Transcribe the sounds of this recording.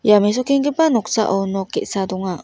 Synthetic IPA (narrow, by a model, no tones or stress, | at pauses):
james̬okẽŋɡepanoksa̰ʔonokḛʔsad̪oŋa